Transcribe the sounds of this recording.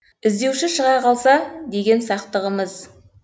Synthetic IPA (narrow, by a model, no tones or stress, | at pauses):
ɪzd̪e̞wʃɪʃəʁɑjqʰɑlˠsɑd̪e̞ɡʲe̞nsɑqt̪əʁəməz